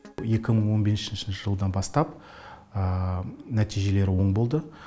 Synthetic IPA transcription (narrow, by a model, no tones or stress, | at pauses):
je̞kʲɪməɴwo̞nbesnʃɪnʃɪnʃɪʒəlˠəd̪ɑnbɑst̪ɑp | ənæt̪ʰijʒe̞le̞ɾɪwo̞ɴbo̞lˠd̪ə